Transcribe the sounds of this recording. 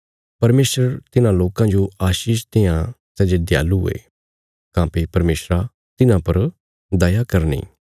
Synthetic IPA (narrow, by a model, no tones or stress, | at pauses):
pɐɾmeːsɾəɾt̪ɪnãloːkãd͡ʒoaːʃiːʃt̪eːjãsɛːd͡ʒed̪ɪja̰ːluɦʊ̰ḛː | kãːpipɐɾmeːsɾa | t̪ɪnãpɐɾ | d̪ɐjakɐɾnḭː